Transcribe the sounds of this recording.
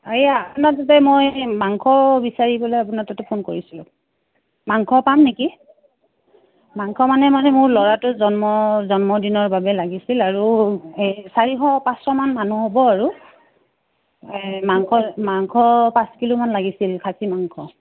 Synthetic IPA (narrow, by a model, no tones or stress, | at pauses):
ajaapunatatɛmojmaŋkʰɔbisaɹibɔlejapunatatɛpʰonkoɹisilʊ̃ | maŋkʰɔpamneki | maŋkʰɔmanɛmanɛmʊɹlɔɹatʊzɔnmɔzɔnmɔdinɔɹbabɛlaɡisilaɹuesaɹiɦɔpãsɹɔmanmanuɦobɔaɹu | maŋkʰɔmaŋkʰɔpãskilumanlaɡisilkʰasimaŋkʰɔ